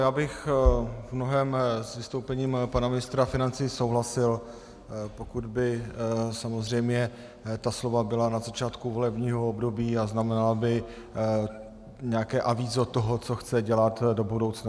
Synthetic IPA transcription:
jaːbɪxvmnoɦɛːmsvɪst̪o̞wpɛɲiːmpanamɪnɪst̪ɾafɪnant͡sijsowɦlasɪl | po̞kud̪bɪsamozr̝ɛjmɲɛ | t̪aslo̞vabɪlanazat͡ʃaːt̪kuvo̞lɛbɲiːɦoobdo̞biːaznamɛnalabɪ | ɲɛakɛːʔaviːzot̪oɦot͡so̞xt͡sɛɟɛlat̪do̞budowt͡sna

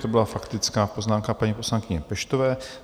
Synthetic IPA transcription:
t̪obɪlafakt̪ɪt͡skaːpo̞znaːmkapaɲipo̞slanŋkɪɲɛpɛʃt̪ovɛː

